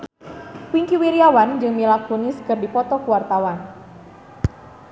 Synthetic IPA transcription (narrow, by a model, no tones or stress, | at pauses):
piŋkiwiɾiawand͡ʒɨŋmilak̚t̪uniskɨrdipɔt̪ɔkuwart̪awan